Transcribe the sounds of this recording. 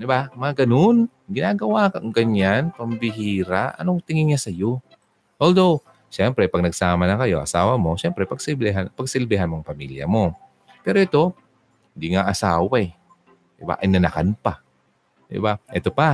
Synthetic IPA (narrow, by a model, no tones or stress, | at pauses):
d̪ɪbamɐŋaɡɐnon | ɡɪnaːɡɐwaːkaŋɡɐɲanpɐmbɪɦiːɾaʔɐ̰noŋt̪ɪŋɪŋːasɐjo | ʔold̪ow | ʃɛmpɾɛpɐɡ̚nɐɡsaːmɐnɐkɐjo̞ʔɐ̰saːwɐmo̞ʃɛmpɾɛpɐɡsɪlbɛɦanpɐɡsɪlbɪɦanmoŋpɐmḭljɐ̰mo̞ | pɛːɾoʔɪt̪o̞ | hɪnd̪iŋaʔɐsaːwaj | d̪ɪba̰ʔɐ̰jnɐnakanpa | d̪ɪ̰baʔɛt̪opa